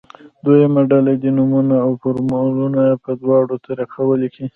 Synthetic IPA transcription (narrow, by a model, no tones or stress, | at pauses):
d̪ojamaɖalad̪inumunaːwpʊɾmalunapəd̪wɑɽot̪aɾakawəliki